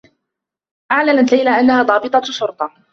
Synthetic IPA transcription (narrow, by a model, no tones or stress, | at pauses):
ʔaʕlanat̪lajlaʔanːahaːd̪ˤɑːbɨt̪ˤɑʃʊɾt̪ˤɑ